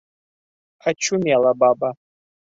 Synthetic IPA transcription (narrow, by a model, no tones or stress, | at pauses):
at͡ʃʰumialababa